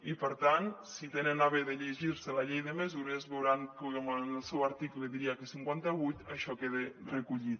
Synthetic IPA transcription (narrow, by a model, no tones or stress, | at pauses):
ipəɾt̪ansit̪enenaβeðeʎeʒiɾselaʎejðemezuɾezβewɾaŋkoməlˠsɛwaɾt̪ikleðiɾiakesiŋkwant̪aβujt̪aʃɔkeðerekuʎit̪